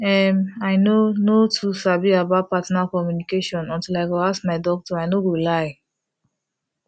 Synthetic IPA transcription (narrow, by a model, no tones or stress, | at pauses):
ɛmaɪnonotʰusabiabaʊt̚patɔnalkɔmjunikeʃɔ̃nɔ̃ntilaɪɡɔaskmaɪdɔk̚tɔaɪnoɡolaɪ